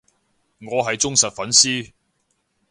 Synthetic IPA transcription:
ŋɔː˨˧ɦɐ˨jt͡sʊ˥ŋsɐ˨t̚fɐ˨˥nsiː˥

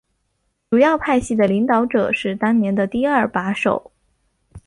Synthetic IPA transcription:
ʈ͡ʂu˨˩jɑ˥˧ʊpʰa˥˧ɪɕi˥˩d̪ə˩li˧˥ŋt̪ɑ˧˥ʊʈ͡ʂɤ˨˩ʂɻ̩˥˩t̪a˥nnjɛ˧˥nd̪ə˧t̪i˥˧ɐ˞˥˩pa˧˥ʂo̰˨˩˦ʊ

